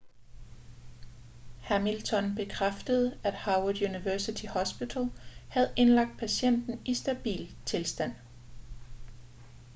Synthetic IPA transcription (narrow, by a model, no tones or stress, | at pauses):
hæmilt͡sʰɒ̽nb̥e̝kʰʁafd̥əð̞̩ˠæd̥hɑ̈wəd̥juniʋœɐsit͡sʰihɒ̽sb̥it͡sʰælˠhæð̞̩ˠʔe̝nlɑ̈ɡ̥̚d̥̚pʰæsen̰d̥n̩ʔisd̥æb̥ḭːlt͡sʰe̝lsd̥æn̰